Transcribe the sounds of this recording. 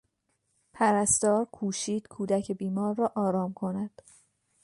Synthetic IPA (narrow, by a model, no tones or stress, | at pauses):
pʰæɾæst̪ɒːɾkʰuːʃiːd̪̥kʰuːd̪æcʰe̞biːmɒːɾːɒːʔɒːɾɒːmkʰo̞næd̪̥